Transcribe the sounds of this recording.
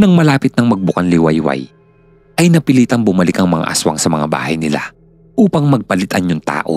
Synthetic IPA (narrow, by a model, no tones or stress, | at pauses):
nɐŋmɐlaːpɪt̪̚nɐŋmɐɡ̚bʊkɐnlɪwɐjwɐ̰j | ʔɐjnɐpɪliːt̪ɐŋbʊmɐlɪkɐŋmɐŋa̰ʔɐ̰swɐ̰ŋsɐmɐŋaba̰ːhɐjnɪla̰ | ʔuːpɐŋmɐɡ̚pɐlɪt̪ɐnjʊŋt̪a̰ːʔo̰